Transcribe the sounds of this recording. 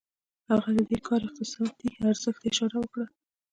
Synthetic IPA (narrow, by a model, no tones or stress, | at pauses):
haɣad̪əd̪ekʰɑɾɪq̚t̪ɪsɑd̪̚ːiaɾz̥əxt̪ɪʃɑɾawəkɽa